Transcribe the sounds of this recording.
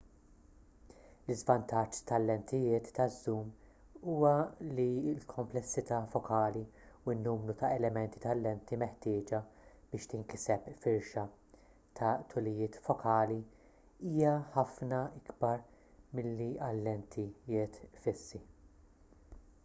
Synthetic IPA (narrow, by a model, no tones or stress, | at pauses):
lɪzvɐnt̪ɐt͡ʃːt̪ɐlːɛnt̪ɪjɪːt̪ːɐzːuːm | uːwɐliɪlkʰɔmplɛsːɪt̪ɐːfɔkʰɐːliuɪnːuːmɾut̪ɐɛlɛmɛnt̪i̥t̪ɐlːɛnt̪imɛħt̪ɪːd͡ʒɐ | b̥ɪːʃt̪ɪŋkɪsɛpfɪɾʃɐ | t̪ʰɐt̪ʰʊlɪjɪːt̪fɔkʰɐːli | iːjɐħɐfnɐɪɡbɐɾ | mɪlːiɐlːɛnt̪ʰijɪːt̪fɪsːi